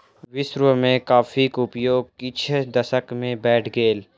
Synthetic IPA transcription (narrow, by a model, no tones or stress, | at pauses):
ʋɪʃɾwəmẽkaːfikʊpjoːɡ̚kɪt͡ʃʰed̪ɐsəkmẽbɛːʈʰɡeːl